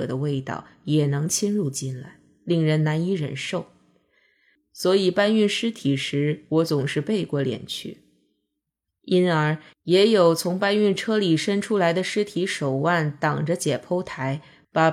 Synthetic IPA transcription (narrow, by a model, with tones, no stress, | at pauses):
ɤ̰˨˩d̪ə˦we˥˧ɪt̪ɑ̰˥˩ʊjɛ˨˩nɤ˧˥ŋt͡ɕʰi˥nɻu˥˧t͡ɕi˥˧nla˧˩ɪ | li˥˩ŋɻə˧˥nna˧˥ni˧˥ɻə̰˨˩nʂo˥˩ʊ | swɔ˧˥i˨˩pa˥ny˥˩nʂɻ̩˥t̪ʰi˨˩ʂɻ̩˧˥wɔ˧˥t͡sʊ˨˩ŋʂɻ̩˥˧pe˥˧ɪkwɔ˥˩ljɛ̰˨˩nt͡ɕʰy̰˥˩ | i˥nə˞˧˥ | jɛ˧˥jo˨˩ʊt͡sʰʊ˧˥ŋpa˥ny˥˩nʈ͡ʂʰɤ˥li˨˩ʂə˥nʈ͡ʂʰu˥la˧˥ɪd̪ə˧ʂɻ̩˥t̪ʰi˧˥ʂo˨˩ʊwa˥˩nt̪ɑ˨˩ŋʈ͡ʂə˦t͡ɕjɛ˨˩pʰo˥ʊt̪ʰa˧˥ɪ | pa˨˩